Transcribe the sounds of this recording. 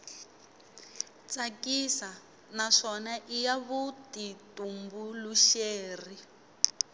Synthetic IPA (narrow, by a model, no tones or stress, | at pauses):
t͡sakisa | naʂɔnaʔijaβutitumbuluʃeːri